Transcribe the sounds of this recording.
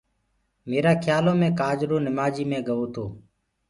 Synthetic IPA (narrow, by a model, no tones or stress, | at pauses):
meːɾaːkʰjaːlõːmẽːkaːd͡ʒɾoːnɪmaːd͡ʒiːmẽːɡəʋoːt̪ʰoː